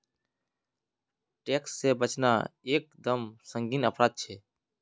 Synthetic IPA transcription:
ʈeːksːebət͡ʃna̰eːk̚d̪əmsə̃ŋɡiːnəpɾaːd̪̚t͡ʃʰeː

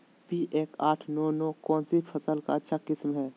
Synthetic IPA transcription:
piːʔeːkaːʈʰnɔːnɔːkɔːnsipʰəsəlka̰ətːʃʰakɪsmɦɛː

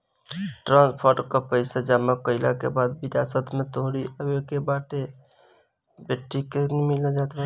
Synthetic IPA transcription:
ʈɾãnspʰəɾʈkəpəɪsad͡ʒaməkəɪla̰kḛbad̪biɾasət̪mẽt̪oɦɾiəbekebaʈe | beʈːikemiled͡ʒat̪ba

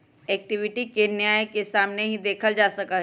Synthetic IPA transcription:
ɛːk̚ʈɪʋɪʈikenjaːjkesaːmneɦid̪eːkʰəld͡ʒaːsɐkaɦ

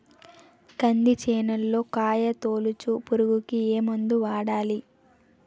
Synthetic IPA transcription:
kɐnd̪it͡ʃɛːnɐlːo̞ːkaːjɐt̪oːlut͡ʃupuɾuɡukieːmund̪uʋaːɽaːli

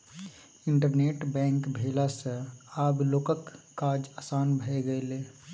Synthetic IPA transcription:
ɪɳʈəɾneːʈbɛ̃ːŋkbʱeːlasəaːbloːkəkː | aːd͡ʒasaːnbʱəeɡəeleː

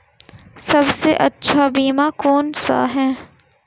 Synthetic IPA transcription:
sɐbseʔɐtːʃʰabiːmakoːnsa̰ɦɛ̃ː

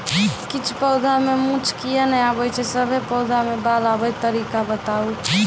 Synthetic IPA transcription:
kit͡ʃʰpəwd̪ʱamemũt͡ʃʰkijanəjabəjt͡ʃʰɛsəbʱepəd̪ʱamebalabəjt̪əɾikabət̪au

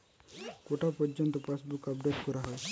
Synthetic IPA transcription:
koʈapəɾd͡ʒənt̪ɔpasbukɐp̚ɖeʈkəɾaɦɔj

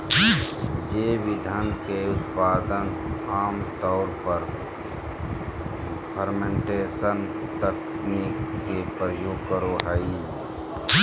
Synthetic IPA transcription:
d͡ʒeːʋɪd̪ʱankeʊt̪̚paːd̪ənaːmt̪ɔːɾpəɾ | pʰəɾmẽɳʈeːsən | t̪əkʰ | niːkːepɾəjuɡkəɾoɦəi

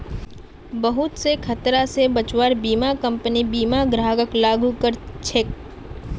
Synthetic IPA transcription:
bəɦʊt̪sekʰɐt̪ɾasebət͡ʃwaːɾbiːmakɐ̃mpənibiːmaɡɾaːɡəklaːɡukəɾt͡ʃʰek̚

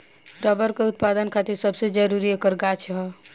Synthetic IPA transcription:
ɾəbəɾkeut̪̚pad̪ənkʰat̪iɾsəbsed͡ʒəɾuɾiekəɾɡat͡ʃʰɦ

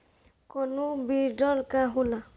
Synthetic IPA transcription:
kɔnʊbidɔlkaɦula

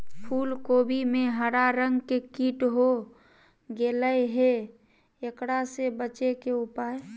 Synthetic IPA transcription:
pʰuːlkoːbimẽɦəɾaɾəŋɡkekiʈɦo | ɡeləjɦe | ekɽasebət͡ʃekeupaːe

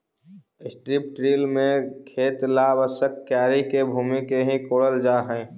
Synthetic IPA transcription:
ɪsʈɾip̚ʈɾiːlmẽkʰeːt̪labəsəkːjaːɾikebʱuːmikeɦĩkoːɽəld͡ʒaːɦɛ̃ː

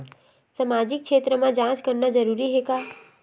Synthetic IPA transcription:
səmaːd͡ʒɪk̚ʃeːt̪ɾəmãd͡ʒãːt͡ʃkəɾnad͡ʒəɾuːɾiɦekaː

